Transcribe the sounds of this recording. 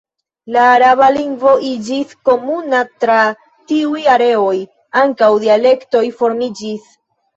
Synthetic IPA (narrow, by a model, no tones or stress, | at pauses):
laːɾaβaliŋɡvo̞ʔid͡ʒisko̞munatɾa | tiujaɾe̞oj | aŋkawdiale̞kto̞jfo̞ɾmid͡ʒis